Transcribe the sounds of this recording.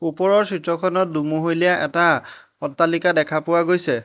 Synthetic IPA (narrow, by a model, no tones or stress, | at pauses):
upɔɹɔɹsɹitɹɔkʰɔnɔt̚dumuɦojlijaʔɛta | ɔtːalikadɛkʰapʊwaɡojsɛ